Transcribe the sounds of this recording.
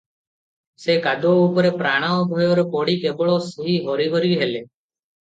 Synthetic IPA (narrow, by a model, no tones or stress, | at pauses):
sekad̪ɔɔupɔɾepɾaɽ̃aɔɡʱɔjɔɾɔkɔɽikebɔɭɔsuɦiɦɔɾibʱɔɾibɦele